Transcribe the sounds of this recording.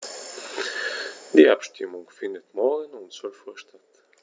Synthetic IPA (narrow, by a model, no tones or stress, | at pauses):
d̥iːapʃtɪmʊŋfɪndətmɔɐɡənʊnt͡sɔlfɔɐʃtat